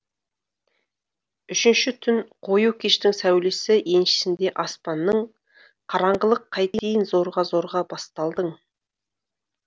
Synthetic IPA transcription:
ʏʃɪnʃɪt̪ʰʏnqʰo̞jukʲʰe̞ʃt̪ɪŋsæwlesɪje̞nʃɪ̥sɪnd̪e̞ʔɑspɑnːəɴ | qʰɑɾɑɴʁəlˠəqʰːɑjt̪eejɪnzo̞ɾʁɑzo̞ɾʁɑbɑst̪ɑlˠd̪əɴ

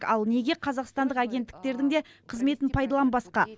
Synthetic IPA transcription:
kɑlˠne̞ɡʲe̞qʰɑzɑqst̪ɑnd̪əqæɡʲe̞nt̪ːɪ̥k̚t̪e̞ɾd̪ɪŋd̪e̞qʰəzme̞t̪ɪnpʰɑjd̪ɑlˠɑnbɑsqɑ

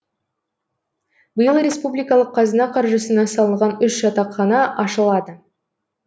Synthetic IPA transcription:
bəjəlˠɾʲe̞spublijkɑlˠəqʰːɑzənɑqʰɑɾʒəsənɑsɑlˠənʁɑnʏʃʒ̥ɑt̪ɑqːɑnɑʔɑʃəlˠɑd̪ə

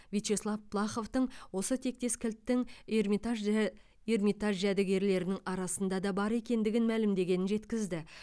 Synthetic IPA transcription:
vʲijt̪ʃeslˠɑfpʰlˠɑχo̞ft̪əɴwo̞sət̪ʰe̞k̚t̪e̞skʲʰɪlt̪ːɪŋeɾmit̪a | ermʲit̪aʒʒæd̪ɪɡʲe̞ɾle̞ɾɪnɪŋɑɾɑsənd̪ɑd̪ɑbɑɾe̞kʲe̞nd̪ɪɡʲɪnmælɪmd̪e̞ɡʲe̞nɪnʒe̞t̪kʲɪzd̪ɪ

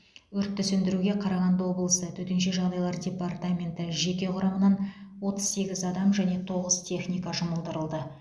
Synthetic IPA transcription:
ɵɾt̪ʰːʏsʏnd̪ɪɾuɡʲe̞qʰɑɾɑʁɑnd̪əwo̞blˠəsət̪ʰɵt̪enʃ̬e̞ʒɑʁd̪ɑjlˠɑɾdʲe̞part̪amʲe̞nt̪ɪʒe̞kʲe̞qʰʊɾɑmənɑn | wo̞t̪əz̥se̞ɡʲɪzɑd̪ɑmʒæne̞t̪ʰo̞ʁəzt̪ʲʰe̞χnʲijkɑʒʊməlˠd̪əɾəlˠd̪ə

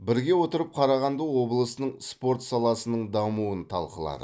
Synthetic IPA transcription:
bɪɾɡʲe̞wo̞t̪əɾəp̚qʰɑɾɑʁɑnd̪əwo̞blˠəsənəɴspo̞ɾt̪sɑlˠɑsənəɴd̪ɑmuənt̪ʰɑ̰lˠqəlˠɑ̰d̪ə̰

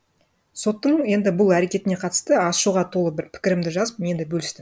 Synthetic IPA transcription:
so̞t̪ːəɴje̞nd̪ɪbʊlˠæɾe̞kʲe̞t̪ɪne̞qʰɑt̪əst̪əɑsʃuʁɑt̪ʰo̞lˠəbɪɾpʰɪ̥kʲɪɾɪmd̪ɪʒɑzəpmje̞nd̪ɪbɵlɪst̪ɪm

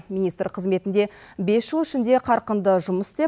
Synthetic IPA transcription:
mʲinijst̪ɾqʰəzme̞t̪ɪnd̪e̞be̞sʒəlˠɪʃɪnd̪e̞qʰɑɾqənd̪əʒʊməst̪e̞

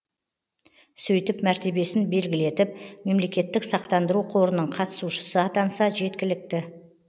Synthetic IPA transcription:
sɵjt̪ɪpmæɾt̪e̞be̞sɪnbe̞lɡʲɪle̞t̪ɪp̚me̞mle̞kʲe̞t̪ːɪksɑqt̪ɑnd̪əɾuqʰo̞ɾənəɴqʰɑt̪ə̥suʃə̥səɑt̪ɑnsɑʒe̞t̪kʲɪlɪk̚t̪ɪ

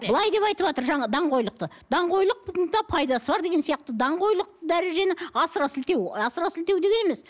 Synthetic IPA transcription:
bəlˠɑjd̪e̞pɑjt̪əpʒɑt̪əɾʒɑɴɑd̪ɑɴqo̞jlˠəq̚t̪ə | d̪̥ɑɴqo̞jlˠəq̚d̪ɑpʰɑjd̪ɑsəbɑɾd̪e̞ɡʲensijɑq̚t̪əd̪ɑɴqo̞jlˠəq̚t̪əd̪æɾe̞ʒe̞nɪɑsəɾɑsɪlt̪e̞wɑsəɾɑsɪlt̪e̞wd̪e̞ɡe̞neme̞s

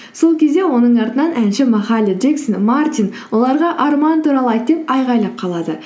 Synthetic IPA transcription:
so̞lˠkʲʰe̞zd̪e̞wo̞nəɴɑɾt̪ənɑnʔænʃɪmɑχɑlʲid͡ʒeksənmart̪ʲinwo̞lˠɑɾʁɑʔɑɾmɑnt̪uɾɑlˠəɑjt̪d̪epɑjʁɑjlˠɑp̚qʰɑlˠɑd̪ə

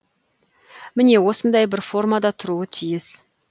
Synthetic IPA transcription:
mɪne̞wo̞sənd̪ɑjbɪɾfo̞rmad̪ɑt̪ʰʊɾuət̪ʰijɪs

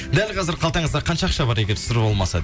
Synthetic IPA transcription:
d̪ælqʰɑzɪɾqʰɑlˠt̪ɑɴəzd̪ɑɾqʰɑnʃɑɑqʃɑbɑɾeɡʲeɾt̪ʰsɪɾbo̞lˠmɑsɑ̰

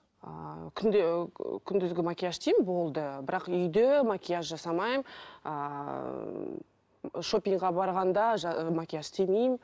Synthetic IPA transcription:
ə̰kʲʰʏnd̪kʲʰʏnd̪ɪzɡʲɪmakʲijaʃt̪ʰejmbo̞lˠd̪əbɪɾɑqʏjd̪emakʲijaʃʒɑsɑmɑjmə̰ | ʃo̞pʲiŋkʁɑbɑɾʁɑnd̪ɑʒmakʲijaʃt̪ʰemejm

